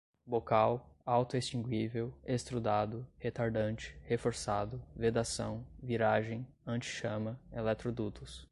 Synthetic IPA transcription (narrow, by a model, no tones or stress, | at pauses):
bokawawt̪ʊest͡ʃĩŋɡwivewest̪ɾud̪ad̪ʊhet̪aɾd̪ɐ̃nt͡ʃɪ̥hefoɾsad̪ʊved̪asɐ̃w̃viɾaʒẽj̃ | ɐ̃nt͡ʃɪ̥ʃɐ̃mɐelɛt̪ɾod̪ut̪ʊs